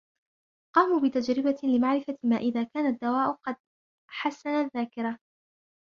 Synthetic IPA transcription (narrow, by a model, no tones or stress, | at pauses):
qɑːmuːbɪt̪ad͡ʒɾɪbalɪmaʕɾɪfamaːʔɪðaːkaːnad̪ːawaːʔʊqɑd̪̚ | ħasːanaðːaːkɪɾa